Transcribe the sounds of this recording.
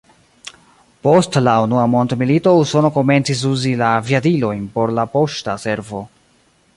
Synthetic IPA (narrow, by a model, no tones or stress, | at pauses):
po̞stlaunuamo̞ndmilito̞uso̞no̞ko̞me̞nt͡sis̬uzilaviadilo̞jnpo̞ɾlapo̞ʃtase̞ɾvo̞